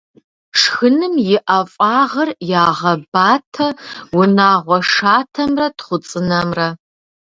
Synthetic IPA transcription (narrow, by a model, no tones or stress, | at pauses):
ʂxɨnɨmjɪʔɐfʼɑːʁɐrjaːʁɐbaːtʰɐwʊnaːʁʷɔʂaːtʰɐmrɐtχʷʊt͡sʼɨnɐmrɐ